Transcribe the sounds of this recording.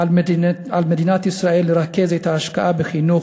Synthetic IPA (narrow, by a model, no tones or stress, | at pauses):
ʕalmed̪iːnat̪isɾaʔelːeɾˤakːezet̪aːʃkaʔabexinuː